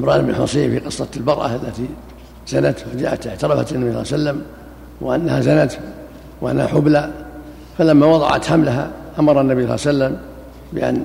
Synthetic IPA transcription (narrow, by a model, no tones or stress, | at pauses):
ɪmɾˤɑːnbnħʊ̰sˤiːfiqɨsˤːɑlbɑɾˤʔa̰alːat̪i | z̥anat̪wad͡ʒa̰ːʔat̪ɪʕt̪ɑɾˤɑfa̰t̪anːabiːsˤːsalːam | wɪʔanːahazanat̪ | wʔa̰nːha̰ħʊbla | falamːawɑðˤɑ̰ʕa̰t̪ħamlaɦa̰ʔamɑɾˤanːabiːsˤɑ̰lːasalːam | bɪʔa̰n